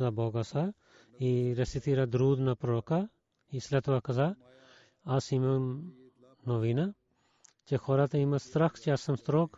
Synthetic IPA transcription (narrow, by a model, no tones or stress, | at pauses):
zaboːɡasa | iɾɐsit̪ʰiɾad̪ɾuːd̪nɐpɾoːka | islɐt̪uʋɐkɐza | ɐsimɐ | noʋiːnɐ | t͡ʃexʰoːɾat̪ɐimɐst̪ɾɐkt͡ʃiasɐmst̪ɾoːk